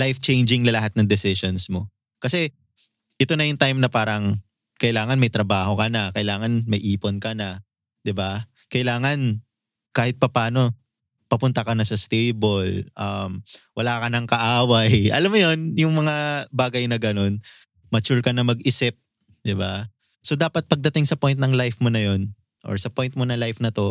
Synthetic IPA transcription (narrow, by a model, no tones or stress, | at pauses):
lajft͡ʃɛjnd͡ʒɪŋnɐlɐɦat̪̚nɐŋd̪ɛsɪsonsmo̞ | kɐsɛ | ʔɛt̪o̞nɐjʊŋt̪ajmnɐpaːɾɐŋ | kɐʔɪlaːŋɐnmɐjt̪ɾɐbaːho̞kɐnɐkɐʔɪlaːŋɐnmɐjʔiːponkɐnɐ | d̪̥ɪba | kɐɪlaːŋɐn | kaːhɪt̪̚pɐpaːno̞ | pɐpʊnt̪ɐkɐnɐsɐst̪ejbolʔɐmwɐlaːkɐnɐŋkɐʔaːwɐjʔɐ̰lamːojo̞njʊŋmɐŋabaːɡɐjnɐɡɐno̞n | mɐt͡ʃuɹkɐnɐmɐɡ̚ʔɪsɪp̚ | d̪ɪba | so̞d̪aːpɐt̪̚pɐɡ̚d̪ɐt̪ɪŋsɐpo̞jnt̪̚nɐŋlajfmonɐjo̞n | ʔo̞̰ɹsɐpo̞jnt̪̚monɐŋlajfnɐt̪o̞